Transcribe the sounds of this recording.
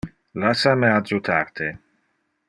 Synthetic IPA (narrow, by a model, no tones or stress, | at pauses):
lasamead͡ʒut̪ʰaɾt̪ʰe